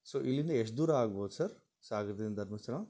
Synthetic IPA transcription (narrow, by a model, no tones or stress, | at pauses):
soːʔilineɐʃ̬d̪uːɾaːɡbʱoːt̪sɐɾ | saːɡɾt̪ind̪ɐɾmɐsɾãː